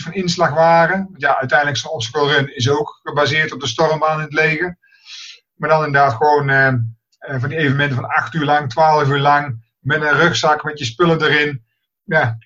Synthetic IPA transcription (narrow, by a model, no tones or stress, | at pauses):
fɑnɪnslɑxʋaːrəʋɑntjaʔœ̰ɥtɛjndləksənɔpsəkəlˠrɵnɪs̬owkːəbazɪːɹtɔb̚dəstɔrəmbaːnɪnətlejɣə | maːdɑnɪndədaːtxəʋownə | vɑndiejvənəmɛntəvɑnɑxtyːɹlɑŋtʋaːlˠəvyːɹlɑŋ | mɛtənrøxsɑkmɛtjəspɵlədərɪn | ja